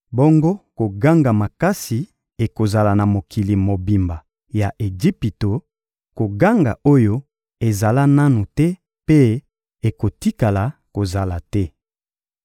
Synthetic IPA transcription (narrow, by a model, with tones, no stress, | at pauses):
bo˦ŋɡo˦ko˨ɡa˦ŋɡa˨ma˨ka˦si˨ | e˨ko˨za˨la˨na˨mo˨kʰi˨li˨mo˨bi˨mba˨ | ja˨ʔe˨d͡ʒi˦pi˨to˨ | ko˨ɡa˦ŋɡa̰˨ʔo˦jo˦ | e˨za˨la˦na˦nu˨tɛ˦ | pe˦ | e˨ko˨ti˦ka˨la˨ko˨za˨la˨tɛ˦